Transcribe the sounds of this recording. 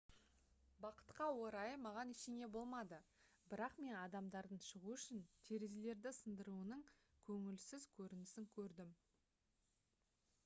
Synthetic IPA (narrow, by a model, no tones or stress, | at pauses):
bɑqə̥t̪qɑwo̞ɾɑjəmɑʁɑnɪʃene̞bo̞lˠmɑd̪ə | bɪɾɑqme̞nɑd̪ɑmd̪ɑɾd̪əɴʃəʁuʏʃɪnt̪ʰe̞ɾezele̞ɾd̪ɪsənd̪əɾuənəɴkʲʰɵŋɪlsɪzkʲʰɵɾɪnɪsɪŋkʲʰɵɾd̪ɪm